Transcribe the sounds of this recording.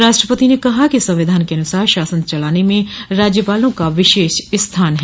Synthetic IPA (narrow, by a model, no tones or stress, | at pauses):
ɾaːʃʈɾəpət̪inekɐɦakisɐ̃mʋɪd̪ʱaːnkeɐnʊsaːɾʃaːsə̃nt͡ʃɐlaːnemẽɾaːd͡ʒjəpaːlõkaʋɪʃeːʃɪst̪ʰaːnɦɛ